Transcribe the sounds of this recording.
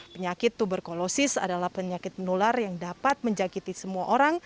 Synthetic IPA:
pəɲakɪt̪ːubərkolosɪsa̰dalahpəɲakɪt̪̚mənularjaŋdapat̪̚məɲd͡ʒakit̪isəmuaʔoɾaŋ

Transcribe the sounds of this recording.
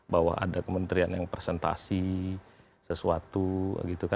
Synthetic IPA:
bawa̰ɦa̰dakəmənt̪ɾianjaŋpresɛnt̪a̰si | səsuat̪uɡit̪uka

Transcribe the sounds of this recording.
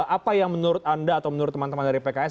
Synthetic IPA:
apajaŋmənuɾʊt̪̚andaːt̪awmənuɾʊt̪ːəmant̪əmandaɾipekaɛs

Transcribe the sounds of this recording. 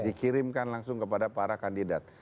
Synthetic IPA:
dikiɾɪmkanlaŋsʊŋkəpadapaɾakandidat̪̚

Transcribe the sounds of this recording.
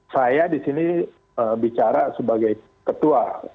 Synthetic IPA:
sajadisini | əbit͡ʃaɾasəbaɡaj | kət̪ua

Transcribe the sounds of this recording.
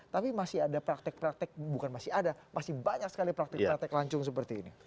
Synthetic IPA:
t̪apimasiadapɾak̚t̪ɛk̚pɾak̚t̪ɛk̚bukanmasɪadamasɪhbaɲaksə̥kalipɾak̚t̪ɛk̚ɾak̚t̪ɛklaɲt͡ʃʊŋs̬əpərt̪iːnḭ

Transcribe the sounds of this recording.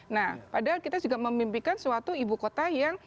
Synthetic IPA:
nahpadaɦalkit̪ad͡ʒuɡaməmbimbikanswat̪uibukot̪ajaŋ

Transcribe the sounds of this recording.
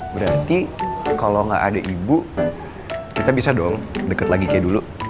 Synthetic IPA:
bəɾart̪ikaloŋɡa̰ʔadaʔibu | kit̪abisadɔŋdəkət̪laɡikajadulu

